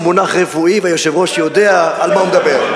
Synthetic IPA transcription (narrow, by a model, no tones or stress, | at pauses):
monaχʁefuivajoʃevʁo̞ʃjod̪e̞aːlmaumed̪abe̞ʁ